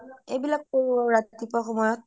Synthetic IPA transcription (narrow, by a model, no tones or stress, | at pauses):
ebilak̚koɹuɔɹatt̪ipɔxɔmɔjɔt̚